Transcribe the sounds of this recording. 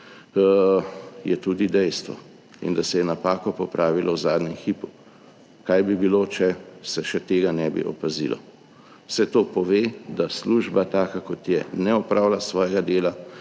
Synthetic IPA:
jɛt̪uːd̪id̪ɛjst̪ʋɔ̰ | ḭnd̪asɛjɛnapaːkɔpɔpɾʔaːʋilʔɔwzaːd̪ɲɛmxiːpu | kajbibiloːt͡ʃɛsɛʃɛt̪eːɡanɛbḭʔɔ̰pazḭlʔɔ̰ | wsɛt̪oːpɔʋeːd̪asluʒbat̪aːkakɔt̪jɛnɛɔpɾaːwlasʋɔːjɛɡad̪eːla

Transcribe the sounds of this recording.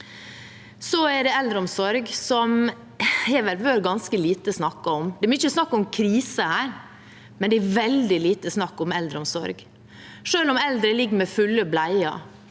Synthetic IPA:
sɔæɖɛɛld̪ɾəɔmsɔɾɡsɔm | hɛʋɛɾʋøːɾɡɑnskəliːt̪əsnɑkːɑɔmd̪ɛbɔɪçəsnɑkːɔmkʰɾiːsəhæːɾ | mɛnd̪ɛæɾʋɛld̪ɪliːt̪əsnɑkːɔmɛld̪ɾəɔmsɔ̰ɾɡ | ʂøːnɔmɛld̪ɾəlɪɡːəmɛfʉlːəblæɪɑ̰

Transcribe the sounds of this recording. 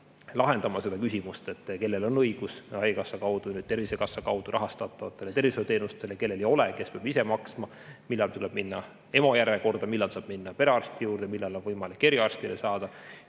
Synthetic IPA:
lɑɦe̞nd̪ɑmɑse̞d̪ɑkysʲimust̪e̞t̪ˑːke̞lːe̞lo̞nɤiɡ̥usɑjkɑsːɑkɑwd̪̥unyːd̪̥̚t̪e̞rvise̞kɑsːɑkɑwd̪̥uɾʔɑɦɑst̪ɑt̪ˑːɑvɑt̪ːˑe̞ljt̪e̞rviselt̪e̞ːnust̪elke̞lːe̞lejo̞leke̞speɑb̥ise̞mɑksmɑ | milːɑlt̪uleb̥minːɑ | e̞mojæɾeko̞rd̪ɑmilːɑlsɑːb̥̚minːɑpe̞ɾeɑrst̪ijuːɾd̪emilːɑlo̞nvɤjmɑlikːe̞ɾjɑɑrst̪ilesɑːd̪̥ɑ

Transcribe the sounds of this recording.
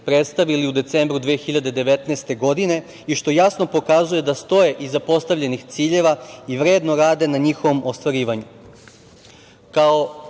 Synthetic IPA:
pɾet̪st̪aʋiliud̪e̞t̪se̞mbɾud̪ʋeːxiʎad̪ed̪e̞ʋe̞t̪neːst̪e̞ɡo̞d̪ine̞ | iʃt̪o̞jasno̞po̞kazuje̞d̪ast̪o̞je̞ʔizapo̞st̪aʋʎʲe̞nixt̪siːʎe̞ʋaiʋɾe̞ːd̪no̞ɾaːd̪e̞naɲixo̞ʋo̞mʔost̪ʋaɾiːʋaɲu | kao

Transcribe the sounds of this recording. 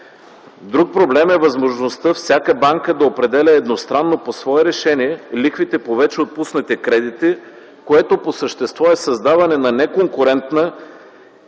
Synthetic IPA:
d̪ɾuk̚pɾoblɛmɛvɐzmoʒnost̪əfsʲjakəbaŋkəd̪ɐopɾɛd̪ɛlʲəɛd̪nost̪ɾanːoposvɔɛɾɛʃɛniɛlixvit̪ɛpovɛt͡ʃɛot̪̚pusnɐt̪ɛkɾɛd̪it̪i | koɛt̪oposəʃt̪ɛst̪vɔɛsɐzd̪avɐnɛnɐnɛkoŋkʊɾɛnt̪nə

